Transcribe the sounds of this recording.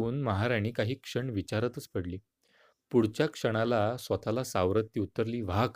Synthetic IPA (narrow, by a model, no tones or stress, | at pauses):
uːnməɦaɾaɽ̃iːkaɦiːkʂəɳʋit͡ɕaɾət̪ət͡spəɽliː | puɽt͡ɕjakʂəɽ̃alasʋət̪ʰalasaʋɾət̪ːiut̪ːəɾliːʋak